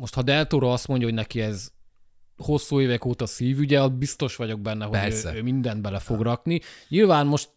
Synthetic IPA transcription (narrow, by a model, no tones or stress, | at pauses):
mo̞ʃt̪hɒd̪ɛlt̪oɾɒɒst̪mo̞ɲɟɒɦo̞ɟnɛkiɛz | ho̞sːuːeːvɛkoːt̪ɒsiːvyɟɛɒbist̪o̞ʃʋɒɟo̞ɡ̚bɛnːɛɦoɛsɛøːmind̪ɛnd̪bɛlɛfo̞ɡrɒkniɲilvaːnmo̞ʃt̪̚